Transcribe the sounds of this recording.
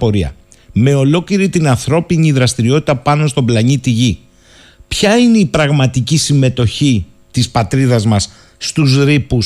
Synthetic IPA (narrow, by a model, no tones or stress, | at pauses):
po̞ɾiɐ̰ | me̞o̞lo̞cliɾit̪inɐnθɾo̞piɲiðɾɐst̪iɾio̞t̪i̥t̪ɐpɐno̞st̪o̞blɐɲit̪iʝi | pçɐine̞ipɾɐɣmɐt̪icisime̞t̪o̞çi | t̪ispɐt̪ɾiðɐzmɐs | st̪uzɾipus